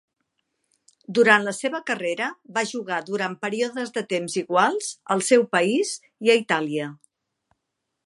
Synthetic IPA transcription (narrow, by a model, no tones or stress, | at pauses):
d̪uɾant̪ləseβəkəreɾəβaʒuɣaðuɾanpəɾioðəzðət̪emziɣwalˠz̥ə̰lˠsɛwpəiz | iəit̪aliə